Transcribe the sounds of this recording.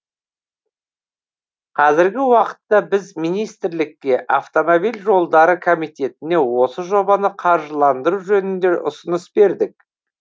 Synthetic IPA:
qʰɑzɪɾɡʲɪwɑqə̥t̪ːɑbɪzmijnijst̪ɪɾlɪkʲːe̞ʔaft̪o̞mobijlʲʒo̞lˠd̪ɑɾəkʰomijt̪e̞t̪ɪne̞wo̞səʒo̞bɑnəqʰɑɾʒəlˠɑnd̪əɾuʒɵnɪnd̪e̞ʔʊsənəsbe̞ɾd̪ɪk̚

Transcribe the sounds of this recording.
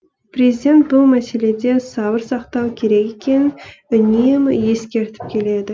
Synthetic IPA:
pɾezid̪ʲe̞nt̪̚bʊlˠmæse̞le̞d̪e̞sɑbəɾsɑqt̪ɑwkʲʰe̞ɾe̞ɡʲe̞kʲʰe̞nɪnʏnemje̞skʲe̞ɾt̪ɪ̥p̚kʲʰe̞le̞d̪ɪ

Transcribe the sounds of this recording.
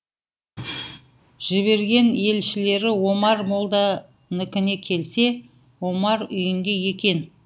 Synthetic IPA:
ʒ̥ɪβe̞ɾɡʲe̞ne̞lʃɪle̞ɾɪwo̞mɑɾmolˠd̪ɑ | nɪkʲɪne̞kʲʰe̞lse̞ | wo̞mɑɾʏjɪŋɡʲe̞je̞kʲe̞n

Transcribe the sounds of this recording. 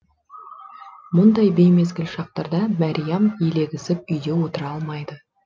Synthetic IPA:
mʊnd̪ɑjbe̞jme̞zɡʲɪlʃɑq̚t̪ɑɾd̪ɑmɑɾʲijamjele̞ɡʲɪsɪp̚ʏjd̪e̞wo̞t̪əɾɑlˠmɑjd̪ə

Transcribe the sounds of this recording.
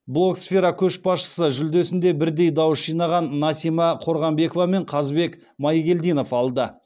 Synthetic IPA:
blˠo̞ksfʲeɾɑkʲʰɵʃbɑsʃə̥səʒʏld̪e̞sɪnd̪e̞bɪɾd̪e̞jd̪ɑwəsʒijnɑʁɑnːɑsimɑqʰo̞ɾʁɑmbe̞kovɑme̞ɴqʰɑzbe̞k | mɑjɡʲe̞ld̪ijno̞fɑlˠd̪ə

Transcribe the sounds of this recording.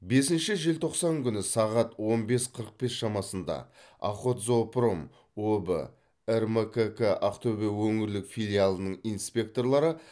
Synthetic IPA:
be̞sɪnʃɪʒe̞lt̪ʰo̞qsɑŋkʲʰʏnɪsɑʁɑt̪wo̞nbe̞sqʰəɾəq̚be̞sʃɑmɑsənd̪ɑ̰ | ɑ̰qo̞t̪zo̞pro̞m | obə̰ | erməkəkəʔaqt̪ʰobewɵŋɪɾlɪkfilʲijalˠənəɴinspʲe̞k̚t̪o̞rlˠɑɾə

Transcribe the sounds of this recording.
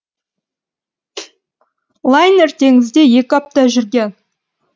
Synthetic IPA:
lˠajnert̪e̞ŋɪzd̪e̞je̞kʲɪɑp̚t̪ɑʒʏɾɡʲen

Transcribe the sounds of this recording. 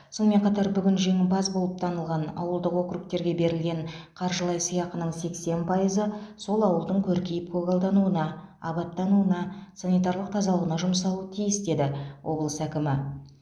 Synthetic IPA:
so̞nme̞ɴqʰɑt̪ɑɾbʏɡʲɪnʒe̞ŋɪbɑzbo̞lˠəp̚t̪ʰɑnəlˠʁɑnɑ̰wəlˠd̪əqwo̞kɾuk̚t̪e̞ɾɡʲe̞be̞ɾɪlɡʲe̞ɴqʰɑɾʒəlˠɑjsəjɑqənəɴse̞kse̞npʰɑjəzəso̞lˠɑwəlˠd̪əɴkʲʰɵɾkʲejɪp̚kʰoɡalˠd̪ɑnuənɑ | ɑ̰bɑt̪̚ːɑnuənɑsɑnijt̪̬ɑrlˠəq̚t̪ʰɑzɑlˠəʁənɑʒʊmsɑlˠuət̪ʰijɪsd̪e̞d̪ɪwʔo̞blˠəsækʲɪmɪ

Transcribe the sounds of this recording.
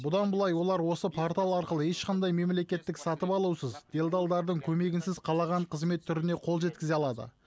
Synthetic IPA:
bʊd̪ɑnbəlˠɑjwo̞lˠɑɾwo̞səpʰoɾt̪alˠɑɾqəlˠəe̞ʃqʰɑnd̪ɑjme̞mle̞kʲe̞t̪ːɪksɑt̪əpɑlˠuwsəzd̪̥e̞ld̪ɑlˠd̪ɑɾd̪əɴkʲʰɵme̞ɡʲɪnsɪzqʰɑlˠɑʁɑɴqʰəzme̞t̪ʰːʏɾɪne̞qʰo̞lˠʒe̞t̪̚kʲɪzeɑlˠɑd̪ə̰

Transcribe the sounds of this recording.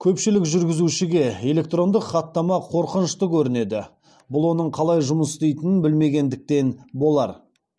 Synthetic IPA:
kʲʰɵpʃɪlɪkʒʏɾɡʲɪzuʃɪɡʲe̞e̞le̞k̚t̪ro̞nd̪əqχɑt̪ːɑmɑqʰo̞ɾqənəʃt̪əkʲʰɵɾɪne̞d̪ɪ̰ | bʊlˠwo̞nəɴqʰɑlˠɑjʒʊməsst̪ejt̪ɪnɪnbɪlme̞ɡʲe̞nd̪ɪk̚t̪e̞nbo̞lˠɑɾ

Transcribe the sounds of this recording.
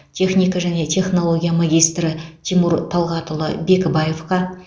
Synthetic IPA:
t̪ʲʰe̞χnijkɑʒæne̞t̪ʲʰe̞χnolˠo̞ɡʲijamaɡʲijst̪ɾɪt̪ʰimuɾt̪ʰɑlˠʁɑt̪əlˠə̰be̞kbɑje̞fqɑ

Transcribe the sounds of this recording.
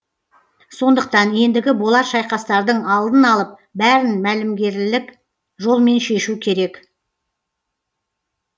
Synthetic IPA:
so̞nd̪əq̚t̪ɑnje̞nd̪ɪɡʲɪbo̞lˠɑɾʃɑjqɑst̪ɑɾd̪əɴɑlˠd̪ənɑlˠəp̚bæɾɪnmælɪmɡʲe̞ɾlɪk | ʒo̞lˠme̞nʃe̞ʃukʲʰe̞ɾe̞k

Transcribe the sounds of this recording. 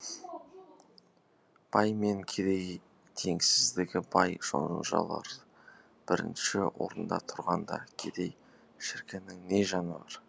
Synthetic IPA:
b̥ɑjme̞ŋkʲʰed̪e̞j | t̪ʰe̞ŋsɪzd̪ɪɡʲɪbɑjʒ̥o̰nʒɑ̰lˠɑ̰ɾ | b̥ɪɾɪ̰nʃɪwo̞̰ɾənd̪ɑ̰t̪ʰʊɾʁɑnd̪ɑ̰kʲʰe̞d̪e̞j | ʃɪɾkʲɪnɪŋne̞ʒɑnɑɾ

